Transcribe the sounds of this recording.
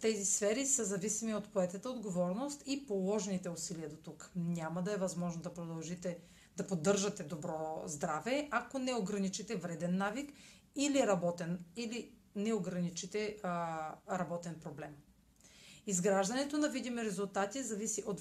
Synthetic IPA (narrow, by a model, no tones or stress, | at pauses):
t̪ɛzisfɛɾisəzɐvisimiot̪poɛt̪ət̪əod̪ɡovɔɾnost̪ipolˠɔʒɛnit̪ɛusiliəd̪ot̪uknʲamɐd̪ɐɛvɐzmɔʒnod̪ɐpɾod̪ɐlˠʒit̪ɛ | d̪̥ɐpod̪ːɤɾʒɐt̪ɛd̪obɾɔzd̪ɾavɛʔakonɛoɡɾɐnit͡ʃit̪ɛvɾɛd̪ɛnːavik | iliɾɐbɔt̪ɛnili | nɛoɡɾɐnit͡ʃit̪ɛ | ɾɐbɔt̪ɛnpɾoblɛm | izɡɾaʒd̪ɐnɛt̪onɐvid̪imɛɾɛzulˠt̪at̪izɐvisiʔot̪